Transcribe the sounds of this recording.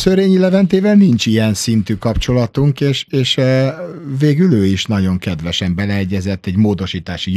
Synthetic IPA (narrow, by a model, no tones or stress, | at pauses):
søɾeːɲilɛvɛnt̪eːvɛlnint͡ʃijɛnsint̪ykɒpt͡ʃo̞lɒt̪uŋkeːʃeːʃ | veːɡyløːiʃnɒɟo̞ŋkɛd̪ʋɛʃɛmbɛlɛɛɟːɛzɛt̪ːɛɟmoːd̪o̞ʃiːt̪aːʃij